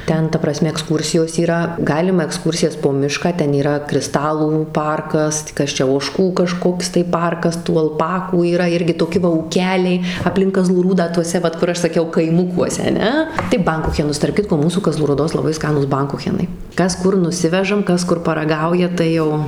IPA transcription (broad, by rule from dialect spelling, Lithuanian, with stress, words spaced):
ˈtʲɛn tɐ prɐˈsʲmʲɛ ɛkˈskuːrʲsʲɪjoːs iːˈrɐ ˈɡɑːlʲɪmɐ ɛkˈskuːrʲsʲɪjɛs poː ˈmʲɪʃkɑː ˈtʲɛn iːˈrɐ krʲɪˈstɑːlˠuː ˈpɐrkɐs tɐɪ ˈkɐs ˈt͡ʃʲɛ oːˈʃkuː kɐˈʃkoːks tɐɪ ˈpɐrkɐs tuː ɐlˠˈpɑːkuː iːˈrɐ ˈɪrʲɡʲɪ toːˈkʲɪ ʋɐ uːˈkʲæːlʲɛɪ ɐpʲˈlʲɪŋk kɐˈzlˠuː ˈruːdɑː tuɔˈsʲɛ ˈʋɐt kʊr ˈɐʃ sɐˈkʲɛʊ kɐɪˈmʊkuɔsʲɛ ɐˈnʲɛ tɐɪ ˈbɐŋkʊxʲɛnʊs tɐrp ˈkʲɪtkoː ˈmuːsuː kɐˈzlˠuː ruːˈdoːs lˠɐˈbɐɪ ˈskɑːnuːs ˈbɐŋkʊxʲɛnɐɪ ˈkɐs ˈkʊr nʊˈsʲɪʋʲɛʒɐm ˈkɐs ˈkʊr pɐrɐˈɡɐʊjɛ tɐɪ ˈjɛʊ